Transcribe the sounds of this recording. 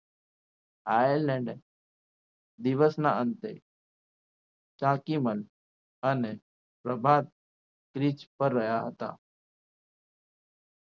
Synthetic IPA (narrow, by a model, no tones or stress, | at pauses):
aːjəɾlɛ̃ɳɖ | d̪ɪʋəsnaənt̪e | t͡ʃaːkiməl | əne | pɾəbʱaːd̪̚ | kɾit͡ʃpəɾːəjaɦət̪a̰ː